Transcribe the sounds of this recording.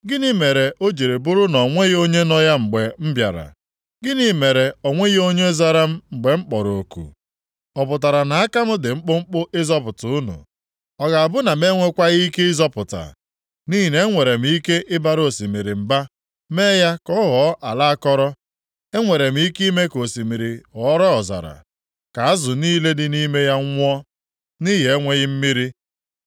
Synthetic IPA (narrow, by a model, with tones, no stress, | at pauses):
ɡɪ˦nɪ˦me˨ɾe˨ʔo˦d͡ʒe˨ɾe˨bʊ˦ɾʊ˦nɔ˨ŋʷe˦ɣo˦ɲe˦nɔ˦ja˦ŋ͡m̩˨ɡ͡be˨m̩˦bja̰˨ɾa̰˨ | ɡɪ˦ni˦me˨ɾe˨ɔ˨ŋʷe˦ɣo˦ɲe˦za˦ɾa˦m̩˦˨ɡ͡be˨ŋ͡m̩˦k͡pɔ˨ɾo˨kṵ˨ | ɔ˨pʊ˨ta˨ɾa˨na˨a˦ka˦m̩˦dɪ˨ŋ͡m̩˦k͡pʊ˦ŋ͡m̩˦k͡pʊ˦ʔɪ˦zɔ˦pʊ˨tʊ˨ʊ˦nṵ˨ | ɔ˨ɡa˨a˨bʊ˦na˨me˦ŋʷe˦kʷa˦ɣi˦i˦ke˦ɪ˦zɔ˦pʊ˨ta̰˨ | ni˦ɦi˨ne˦ŋʷe˨ɾe˨m̩˦i˦ke˦ʔɪ˦ba˦ɾo˨si˨mi˨ɾi˨m̩˨ba˦ | meː˦ja˦kɔ˦ɦɔ˨˦ʔa˨la˦a˦kɔ˦ɾɔ˦ | e˦ŋʷe˨ɾe˨m̩˦i˦ki˦me˦ko˨si˨mi˨ɾi˨ɔ˨˦ɾɔ˦ɔ˨za̰˨ɾa̰˨ | ka˨a˦zʊ˨niː˦le˦dɪ˦ni˦me˦ja˦ŋʷ˦ɔ˦ | ni˦ɦe˨˦ŋʷe˦ɣɪ˦m̩˦mi˦ɾi˦